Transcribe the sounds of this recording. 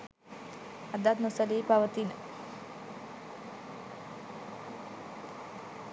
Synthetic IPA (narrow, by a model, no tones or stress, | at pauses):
ɐd̪at̪nosəliːpaʋət̪inə